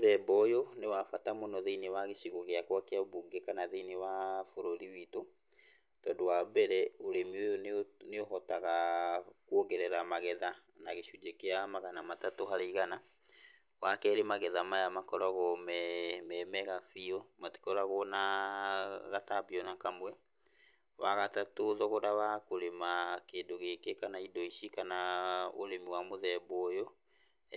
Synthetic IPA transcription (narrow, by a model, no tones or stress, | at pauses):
ðɛbɔjonewafatamonɔðeinewaɣeɕiɣoɣeakwakeaβuɡekanaðeinewafoɾoɾiwito | tɔːndowabɛɾɛoɾemiojoneoɦɔtaɣakwoɣɛɾɛɾamaɣɛða | naɣeʃud͡ʒekeamaɣanamatatohaɾeɣana | wakɛɾemaɣɛðamajamakɔɾɔɣɔmmɛmɛɣafiɔmati̥kɔɾaɣɔna | ɣatabiɔnakamwɛ | waɣatatoðɔɣɔɾawakoɾemakeːndoɣekekanaidɔiʃikanao̰ɾemiwamoðɛβɔːjɔ